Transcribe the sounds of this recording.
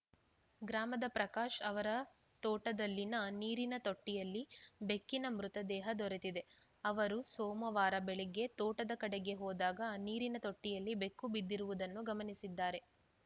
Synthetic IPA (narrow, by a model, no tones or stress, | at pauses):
ɡɾaːmɐd̪ɐpɾɐkaːʃɐʋɐɾɐ | t̪ɔːʈɐd̪ɐlːinɐniːɾinɐt̪oʈːijɐlːibe̞kːinɐmɾut̪ɐd̪ɛːɦɐd̪ɔɾet̪id̪e̞ | ɐʋɐɾusɔːmɐʋaːɾɐbɛɭɛɡe̞t̪ɔːʈɐd̪ɐkɐɽeɡe̞ɦɔːd̪aːɡɐniːɾinɐt̪oʈːijɐlːibe̞kːubid̪ːiɾuʋud̪ɐnːuɡɐmɐnisid̪ːaːɾe̞